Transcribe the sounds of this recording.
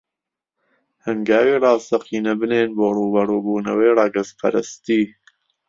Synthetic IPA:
hɐŋɡaːwiːrɑːst̪ɐqiːnɐbɨneːnboːruːbɐɾuːbuːnɐweːrɑːɡɐspʰɐ̰ɾɨst̪iː

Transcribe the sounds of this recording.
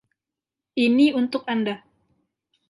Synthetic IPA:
ʔiniunt̪ʊk̚anda

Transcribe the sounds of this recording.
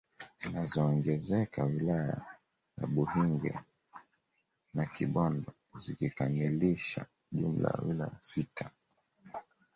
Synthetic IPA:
zinazɔːŋɡɛzɛkʰawilaja̰ | jaɓuhiŋɡɛ̰ | nakʰiɓɔndɔ | zikikamiliʃa̰ | ʄum̩la̰wila̰asitʰa

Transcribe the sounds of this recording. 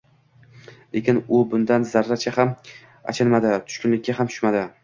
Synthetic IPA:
le̞kʲɪnʊbʊnd̪anzaɾːat͡ʃʰaham | a̰t͡ʃʰanmad̪ɪt̪ʰʊ̥ʃkʊnlɪk̚ʲːahamt̪ʰʊ̥ʃmad̪ɪ

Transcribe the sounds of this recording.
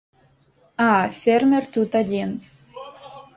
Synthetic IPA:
ɑfʲermʲert̪ut̪ɑd̪ʲen

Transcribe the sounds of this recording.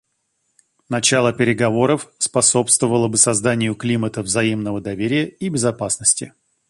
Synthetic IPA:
nɐt͡ɕalˠəpʲɪɾʲɪɡɐvo̞ɾəfspɐso̞pst̪vəvəlˠəbɨsɐzd̪anʲɪjʊklʲimət̪əvzɐimnəvəd̪ɐvʲeɾʲɪjəibʲɪzɐpasnəsʲtʲɪ

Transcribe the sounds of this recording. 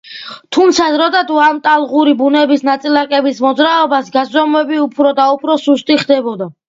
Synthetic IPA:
t̪ʰumt̪sʰazɾɔd̪ad̪uamt̪ʼalˠʁuɾibunɛbisnat̪sʼilakʼɛbismɔd̪zɾaɔbasɡazɾɔmwɛbiupʰɾɔd̪aupʰɾɔsust̪ʼiχd̪ɛbɔd̪a

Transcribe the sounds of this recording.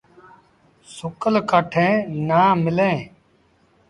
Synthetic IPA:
sʊkəlkaːʈʰẽːnaːmɪlẽː

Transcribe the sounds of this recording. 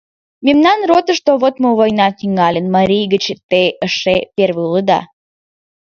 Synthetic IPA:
mʲemnɑnrot̪əʃt̪oβot̪moβojnɑnʲiŋɑlʲənmɑɾʲijɡət͡ɕt̪eəʃepʲervəulˠəd̪ɑ̰

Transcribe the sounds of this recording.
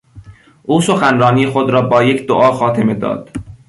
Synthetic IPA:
ʔuːso̞xænrɒːniːexod̪ɾɒːbɒːje̞cʰd̪oʔɒːxɒːt̪ʰeme̞d̪ɒ̰ːd̪̥

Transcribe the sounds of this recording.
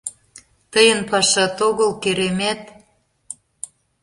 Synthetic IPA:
t̪əjənpɑʃɑt̪oɣə̆lkeɾemet̪

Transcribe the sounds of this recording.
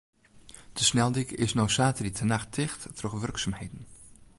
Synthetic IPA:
d̥əsnɛlˠdikɪ̰snowsaːtəritʰənaxtʰɪxttrøxʋɵrksamhejdn̩

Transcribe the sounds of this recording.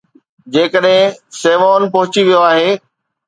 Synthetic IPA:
d͡ʑeːkəɗɦɪ̃seːʋaːʊnpɐɦʊt͡ɕiʋijoaːɦeː

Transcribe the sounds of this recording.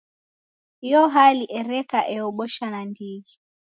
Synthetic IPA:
hiɔɦaliʔɛɾɛkaʔɛɔɓɔʃanandiɡi

